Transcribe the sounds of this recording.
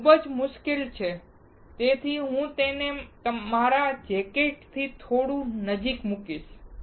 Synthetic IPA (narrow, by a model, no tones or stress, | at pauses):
kʰubəd͡ʒmʊʃkilt͡ʃʰe | t̪et̪ʰiɦũt̪enet̪əmaɾad͡ʒekeʈt̪ʰit̪ʰoɽũnəd͡ʒikmukiʃ